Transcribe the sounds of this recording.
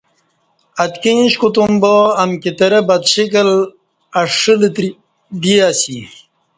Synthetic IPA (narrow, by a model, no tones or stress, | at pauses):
ɐt̪kĩːɕkut̪umboːɐmkit̪ɐɾebɐd̪ɕikɐl | ɐʂilt̪ɾi | d̪iasi